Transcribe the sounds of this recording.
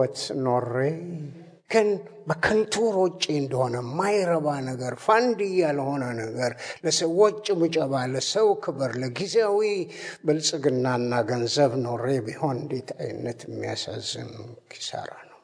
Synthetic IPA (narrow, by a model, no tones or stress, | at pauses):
t̪no̞re | kʰɨn | bəkʰɨnt̪ʰuɾot͡ʃʼeɨnd̪əho̞nəmajɾəβanəɡəɾfand̪ijalho̞nənəɡəɾləsəwot͡ʃʼːmɨt͡ʃʼəβaləsəwkʰɨbɨɾləɡizeawibɨlsʼɨɡɨnːanːaɡənzəβno̞rːe̞biho̞nɨnd̪e̞t̪ʰa̰j̰nːət̪jɪmːija̰sa̰zːɨ̰nkʰi̥sə̰ɾa̰nəw